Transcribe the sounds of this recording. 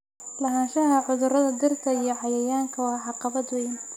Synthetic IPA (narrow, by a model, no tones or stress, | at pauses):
lɐɦaːnʃɐɦɐʕʊðʊɾɐðɐɡɐrkʰɐijɞʕɑjɐjaːŋkʰɐwɑːħɑqɑβɐd̪wɛjɪn